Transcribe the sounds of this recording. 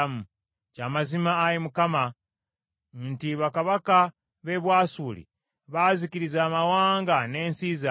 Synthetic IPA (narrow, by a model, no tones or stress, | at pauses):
mu | caːmazimaːɾimukama | ntiβakaβaka | βe̞βwaːsuːlḭ | βaziciɾizaːmawaːŋɡane̞ːnsiːza